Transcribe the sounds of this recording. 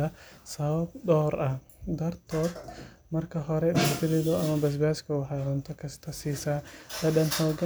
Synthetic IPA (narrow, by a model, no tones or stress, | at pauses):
ɐsɐβɐb̚ɗɔːɾɐh | d̪ɐrt̪ʰɔːd̪ | mɐrkʰɐɦɔɾɛɗɐbɪlɪd̪ɔʔɐmɐbɛs̬baskɐwɐħaːɾɐnt̪ʰɔkʰɐsɪ̥t̪ʰɐsiːsaːd̪ɐɗɐnħɐwɡɐ